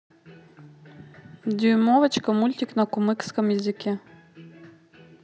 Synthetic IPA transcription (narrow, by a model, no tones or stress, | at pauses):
d̪ʲujmɔʋɐt͡ʃkɐmulʲt̪ʲiknɐkʊmɪkskɐmjɐzʲɪkʲɛ